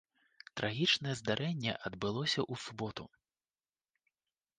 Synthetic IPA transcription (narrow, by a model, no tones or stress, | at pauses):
t̪ɾʔaɣʲit͡ʂnɐjɛzd̪aɾʔɛnʲːɛ̰ʔɐd̪bɨlˠɔsʲɐʔusubɔt̪u